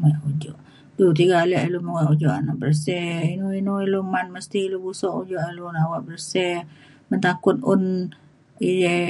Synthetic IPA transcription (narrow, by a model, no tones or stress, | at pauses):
maud͡ʒuʔ | dut̪̬iɡaːlɛʔiluməŋaʔud͡ʒɔʔa̰naʔbərsɛinuinuilumanməst̪ilubusɔʔud͡ʒɔʔalunawaʔbəɾsɛ | mənt̪akʊt̪̚ʊn | ijɛ